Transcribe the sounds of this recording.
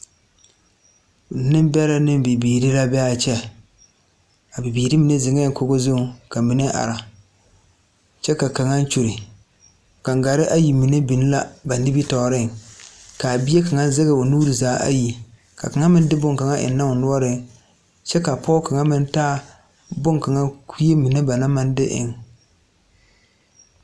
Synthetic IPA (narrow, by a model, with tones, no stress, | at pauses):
nɪ˦m˦bɛ˦la˦nɪ˦m˦bi˨biː˨ɾi˦la˦bɛ˦a˦t͡ʃɛ˦ | a˨bɪ˨biː˨ɾi˦mi˨ne˦zɪ˨ŋɛ˦ŋ˦ko˦ɡo˦zo˦˨ka˨mi˨ne˦ʔa̰˨ɾa˨ | t͡ʃɛ˦ka˨ka˨ŋa˦n˦t͡ʃu˨ɾɪ˨ | ka˨ŋ˨ɡa˨ɾɪ˦ʔa˦ji˨mi˨ne˦bi˨n˦la˦ba˨n˦dɪ˦bi˦tɔː˨ɾɪ˦ŋka˨bi˦e˦ka˨ŋa˦n˦zɛ˦ɣɛ˨o˨nuː˦ɾi˨zaː˨˦ʔa̰˦ji˨ | ka˨ka˨ŋa˦mɪ˦n˦dɪ˦bʊ˦ŋka˨ŋa˦ʔɪ̰˨n˦na˦ʊ˨nʊ˦ɔ˦ɾɪ˨ŋ | t͡ʃɛ˦ka˨pɔ˦ka˨ŋa˦mɪ˦n˦taː˦ | bʊ˦ŋka˨ŋa˦kʰi˦e˦mi˨ne˦ba˨na˦ma˦n˦dɪ˦ʔɪ̰˨ŋ